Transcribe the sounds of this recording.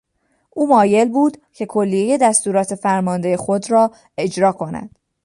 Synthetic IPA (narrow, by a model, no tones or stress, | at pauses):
ʔuːmɒːje̞lbuːd̪cʰe̞kʰo̞lːije̞je̞d̪æst̪uːɾɒːt̪ʰe̞fæɾmɒːnd̪e̞jexo̞d̪rɒː | e̞d͡ʒɾɒːkʰo̞næ̰d̪̥